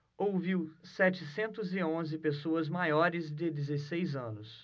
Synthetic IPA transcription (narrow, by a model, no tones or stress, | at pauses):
owviwsɛt͡ʃɪsẽnt̪ʊzɪõzɪpesoɐzmajɔɾɪzd͡ʒɪd̪ezesejzɐ̃nʊs